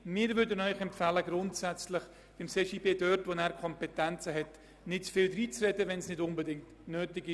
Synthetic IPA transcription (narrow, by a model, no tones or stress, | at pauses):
mɪːɾvʏɾdənœʏxɛmfɛləɡɾʊntsɛt͡slɪχ | b̥ɪmseːʃibeːdœrtvonæːɾkʰɔmpɛtɛnt͡səɦɛt | nɪtt͡sfɪːldriːt͡srɛdəvɛnsnɪdʊnbədɪŋt | nøːtɪɡɪ